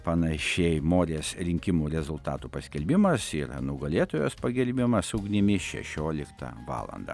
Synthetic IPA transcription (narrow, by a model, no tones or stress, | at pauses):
pɐnɐʃʲɛɪmoːɾʲeːsɾʲɪŋʲkʲɪmuːɾʲɛzʊlˠt̪ɑ̰ːt̪upɐsʲkʲɛlʲbʲɪmɐsɪɾnʊɡɐlʲeːt̪oːʋʲoːspɐɡʲɛlʲbʲɪmɐsʊːɡnʲɪmʲɪʃʲɛ̰ʃʲoːlʲɪkt̪ɐ̰ʋɑ̰ːlˠɐ̰nd̪ɐ̰